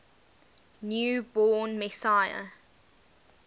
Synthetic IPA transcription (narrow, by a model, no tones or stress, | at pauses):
njuːbɔːnmɛsajə̰